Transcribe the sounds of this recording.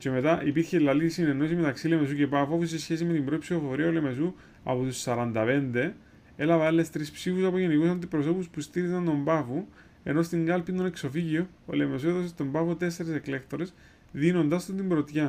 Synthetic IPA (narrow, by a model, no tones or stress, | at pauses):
ce̞me̞t̪ɐʔipiɾçelːɐlisinenos̬ime̞t̪ɐksile̞me̞s̬uce̞pɐfuɐfosesçe̞sime̞t̪imbɾo̞ipsiofo̞ɾiɐole̞me̞su | ɐ̰pot̪usːɐɾɐnd̪ɐpe̞nd̪e̞ | e̞lɐvɐelːest̪ɾispsifusɐpo̞ʝenikusɐnd̪ipɾoso̞puspust̪iɾizɐnt̪o̞mbɐfu | e̞no̞st̪iŋɡɐlpind̪onekso̞ficio | o̰le̞me̞sue̞ðosest̪o̞mbɐfot̪e̞s̬ːe̞ɾese̞kle̞kt̪o̞ɾe̞s | ðino̞nd̪ɐst̪od̪imbɾo̞t̪çɐ